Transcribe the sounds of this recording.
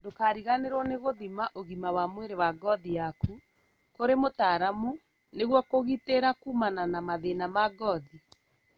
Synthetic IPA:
dokaːɾiɣaneɾwɔneɣoðimaʔoɣimawamweɾewaɡɔðijaku | koɾemotaːɾamu | neɣwɔkoɣiteɾakumananamaðenamaɡɔði

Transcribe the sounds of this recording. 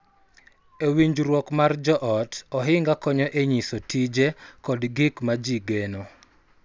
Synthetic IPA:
ewiɲd͡ʒɾwɔkmard͡ʒɔʔɔtɔɦɪŋɡakɔɲɔʔeɲisotid͡ʒekɔdɡɪkmad͡ʒiɡeno

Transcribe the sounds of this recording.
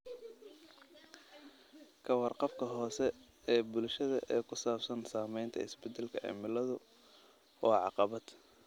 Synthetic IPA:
kʰɐwɑrqɑfkʰɐɦɔːsɛ | ɛːbʊlʃɐðɐʔɛːkʰʊsaːbsɐnsaːmɛjnt̪ʰɐ̰ɪsbɛd̪ɐlkʰɐʔɛ̰ːmɪlɐðʊ | ɔːʕɑ̰qɑβɐd̪̥

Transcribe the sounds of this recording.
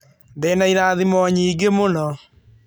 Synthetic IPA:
ndeːnaiɾaːðimɔɲiːɡemonɔ

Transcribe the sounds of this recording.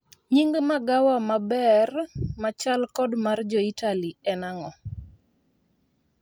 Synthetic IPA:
ɲiŋɡmaɡawamabɛrmat͡ʃalkɔdmard͡ʒɔitaliɛnaŋɔ

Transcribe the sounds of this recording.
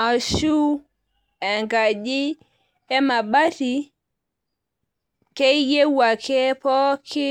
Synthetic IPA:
ʔaʃu | ɛŋɡad͡ʒi | ɛmaɓati | kɛjjewːakʰɛpɔkʰi

